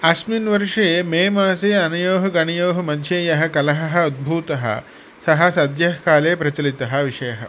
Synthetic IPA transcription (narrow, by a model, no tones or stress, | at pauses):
ɐsminʋɐɾʂeːmeːmaːseːɐnɐjoːɦɐɡɐɳijoːɦɐmɐd̪ʱjeːjɐɦɐ̆kɐlɐɦɐɦɐ̆ud̪̚bʱuːt̪ɐɦɐ̰ | sɐɦɐsɐd̪jɐɦkaːleːpɾɐt͡ʃɐlit̪ɐɦɐ̆ʋiʂɐjɐɦɐ̰̆